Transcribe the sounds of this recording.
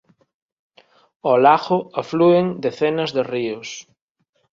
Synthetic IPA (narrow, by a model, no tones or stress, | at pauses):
ɔlaɣʊaflueŋd̪eθenɐzðeriʊs